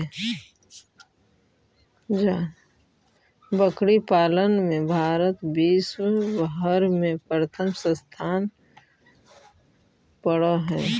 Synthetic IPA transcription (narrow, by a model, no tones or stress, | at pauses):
d͡ʒa | bəkɽipaːlənmẽbʱaːɾət̪biːswbəɦəɾmẽpɾət̪ʰəmsə̃st̪ʰaːn | pəɽaɦɛː